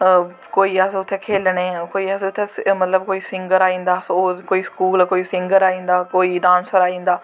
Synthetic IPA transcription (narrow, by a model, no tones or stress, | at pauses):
koːiːəsʊt̪ʰːeːkʰeːlneːkoːiːəsʊt̪ʰːeːmət̪ləb̚koːiːsɪŋɡəɾaːĩːnd̪aːsoːkoːiːskuːlkoːiːsɪ̃ŋɡəɾaːĩːnd̪aːkoːiːɖãːnsəɾaːĩːnd̪aː